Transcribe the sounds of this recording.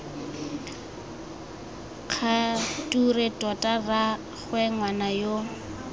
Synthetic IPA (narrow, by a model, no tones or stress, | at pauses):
q͡χʰatʼuretʼɔtʼara | χwɛŋwanajo